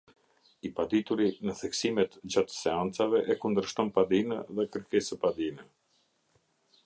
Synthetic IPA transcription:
ipad̪it̪uɾinəθɛksimɛt̪d͡ʑat̪sɛant͡savɛʔɛkund̪əɾʃt̪ɔnpad̪inəðɛkəɾkɛsəpad̪inə

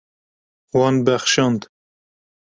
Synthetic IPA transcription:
wɑnbæxʃɑnd̪

